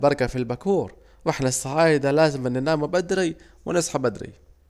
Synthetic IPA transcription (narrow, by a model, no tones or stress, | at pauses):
bɑɾˤkafilbakuːɾ | wɪħnasːaʕiːd̪alaːzɪmnɪnaːmubad̪ɾi | wɪnɪsˤħabad̪ɾḭ